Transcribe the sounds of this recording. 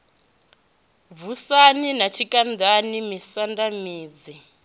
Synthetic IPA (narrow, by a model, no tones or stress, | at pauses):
vusaninat͡ʃʰikʼandanimisandamiːd͡zi